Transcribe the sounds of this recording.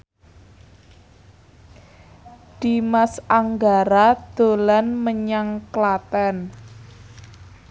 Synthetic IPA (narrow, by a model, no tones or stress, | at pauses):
d̪̥i̤masaŋɡaɾad̪̥o̤lanməɲaŋklat̪ɛn